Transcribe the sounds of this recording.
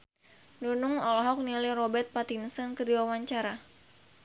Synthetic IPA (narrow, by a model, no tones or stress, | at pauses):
nunʊŋɔlɔɦɔk̚nilirɔbɛrt̪̚pat̪insənkədiwawaɲt͡ʃaɾa